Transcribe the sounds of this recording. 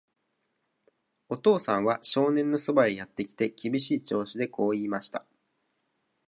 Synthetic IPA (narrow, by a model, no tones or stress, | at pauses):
o̞t̪o̞ːsãɰ̃βaɕo̞ːnẽ̞nːo̞so̞baejat̪ːe̞kʲi̥t̪e̞kʲibʲiɕiːt͡ɕo̞ːɕid̪e̞ko̞ːiːmaɕi̥t̪a